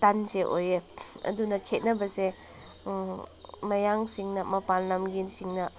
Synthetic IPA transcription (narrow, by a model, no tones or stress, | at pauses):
tanseʔojeɐ̰dunɐkʰet̚nɐbɐse | mɐjaŋsiŋnɐmɐpanːɐmɡinsiŋnɐ